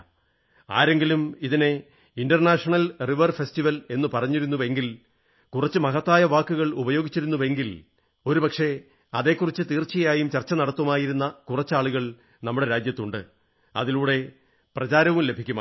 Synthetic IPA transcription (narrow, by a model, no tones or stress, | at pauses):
a̰ːɾe̞ŋɡilumiðine̞ | indɐrnaːʂɐɳɐlriʋɐrfestiʋɐle̞nːɨpɐrɐɲːiɾunːuʋe̞ŋɡil | kurɐt͡ɕːɨmɐɣɐt̪ːaːjɐʋaːkːuɣɐɭubɐjo̞ːɡit͡ɕːiɾunːuʋe̞ŋɡil | o̞ɾupɐkʂe̞ | ɐðe̞ːkːurit͡ɕːɨt̪iːrt͡ɕːijɐjaːjumt͡ɕɐrt͡ɕːɐnɐɽɐt̪ːɐmaːjiɾunːɐkurɐt͡ɕːaːɭuɣɐɭ | nɐmːuɽe̞ɾaːd͡ʑjɐt̪ːuɳɖɨ | ɐ̰ðiluːɽe̞ | prɐt͡ɕaːɾɐʋumle̞bʱikʲːuma